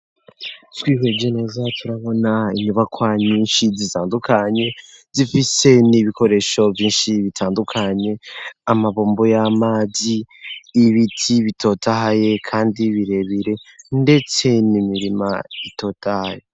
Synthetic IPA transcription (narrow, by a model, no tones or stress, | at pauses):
twiːɦeɟenezatʰuɾaβo̞naiɲuβakʰwaɲiːnʃizitaːndukʰaɲe̞zifise̞niβiko̞ɾe̞ʃo̞vjiːnʃiβitʰaːndukʰaɲe̞amaβoːmbojamaːziː | βitʰiβito̞taɦaje̞kʰaːndiβiɾe̞βiɾe̞nde̞t͡se̞nimiɾima̰ito̞ːtaha̰je